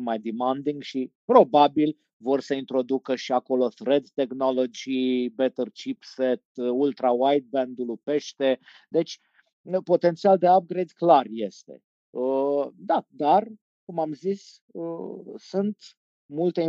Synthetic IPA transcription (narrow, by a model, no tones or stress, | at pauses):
majd̪imand̪iŋɡʃipɾo̞babil | vo̞rsəint̪ɾo̞d̪ukəʃiako̞lo̞θɾe̞d̪ːe̞kno̞lo̞d͡ʒibet̪ərt͡ʃipset̪ult̪ɾawajt̪̚bend̪ulupe̞ʃt̪e̞ | d̪e̞t͡ʃʲ | əpo̞t̪e̞nt̪siald̪e̞ap̚ɡɾejd̪klarje̞st̪e̞̰ | əd̪ad̪ar | kumamzis | əsunt̪ | mult̪e̞i